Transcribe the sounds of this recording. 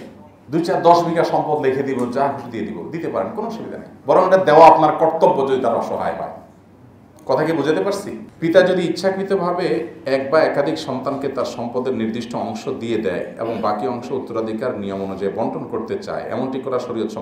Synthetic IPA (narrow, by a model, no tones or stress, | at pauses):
d̪ujt͡ɕaɾd̪ɔʃbʱikaʃɔmpod̪lekʰed̪ibod͡ʑaɦuʃud̪ijed̪ibod̪it̪epaɾenkonoʃubid̪a̰na̰jbɔɾoŋeʈad̪eoaapnaɾkɔɾt̪obːod͡ʑod̪it̪aɾɔʃoɦa̰eɦɔ̰e | kɔt̪ʰakebud͡ʑʱet̪epaɾsʰipit̪ad͡ʑod̪iitːɕʰakɾit̪obʱabeɛk̚baɛkad̪ʱikʃɔnt̪anket̪aɾʃɔmpod̪eɾniɾd̪iʃʈʰoɔŋʃod̪ijed̪ɛ̰eḛboŋbakiɔŋʃout̪ːoɾad̪ʱikaɾnijomonud͡ʑaebɔɳʈʰonkoɾt̪et͡ɕa̰eɛ̰monʈikɔɾaʃoɾiot̪ʃɔ